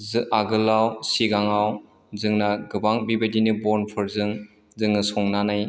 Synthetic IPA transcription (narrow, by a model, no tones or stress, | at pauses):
zɯaɡɯlawsiɡaŋaw | zɯŋnaɡɯbaŋbibadinibɔnpʰɯɾzɯŋ | zɯŋɯsɔŋnanaj